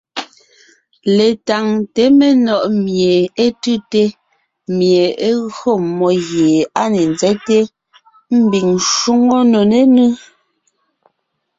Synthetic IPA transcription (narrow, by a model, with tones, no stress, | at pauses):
le˨ta˨ŋte˨˦me˨nɔ˨ʔmje˨e˦tʉ˦te˦ | mje˨e˦ɣɰo˦˨mɔ˦ɣje˨a˦ne˨nd͡zɛ˦te˦ | m̩˦bi˨ŋʃu˦ŋo˦no˨ne˦nɨ˦